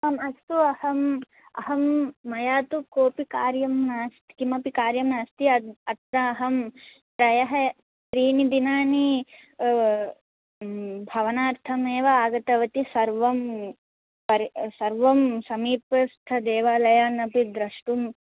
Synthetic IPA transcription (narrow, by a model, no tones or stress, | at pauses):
ɐmɐst̪uɐhɐm | ɐ̰ɦɐmːɐjaːt̪ukoːpikaːɾjɐmnaːst̪i̥kimɐpikaːɾjɐmnaːst̪iɐɐt̪nɐːɦɐm | kɾɐjɐɦɐ | ʃɾiːnid̪inaːni | bʱɐʋɐnaːɾt̪ʰɐmeːʋɐaːɡɐt̪ɐʋɐt̪isɐɾʋɐm | pɐɾsɐɾʋɐmsɐmiːpɐst̪ʰɐd̪eːʋaːlɐjaːnɐpid̪ɾɐʂʈum